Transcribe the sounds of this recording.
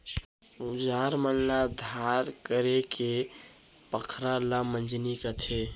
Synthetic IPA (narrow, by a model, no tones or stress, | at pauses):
ud͡ʒaɾməlnad̪ʱaɾkəɾekʰe | pəkʰɾalamənd͡ʒnikət̪ʰe